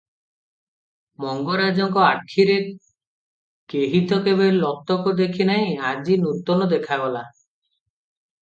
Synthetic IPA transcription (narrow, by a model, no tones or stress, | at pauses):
mɔŋɡɔɾad͡ʒɔŋkɔaʈʰiɾe | keɦit̪ɔkebelɔt̪ɔkud̪ekʰinaɦĩad͡ʒinut̪ɔnɔd̪ekʰaɡɔla